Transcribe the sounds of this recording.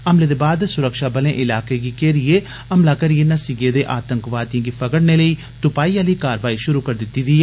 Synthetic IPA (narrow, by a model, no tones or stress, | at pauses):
əmleːd̪eːbaːd̪sʊɾəkʃaːbəlẽːʔɪlaːkeːɡiːkeːɾɪeː | əmlaːkəɾijeːnasɪɡeːd̪eːʔaːt̪əŋkʋaːt̪ijãːɡiːpʰəkəɽneːləiː | t̪ʊpaːiːãləiːkaːɾʋaːiːʃʊɾuːkəɾd̪ɪt̪ːiːd̪iː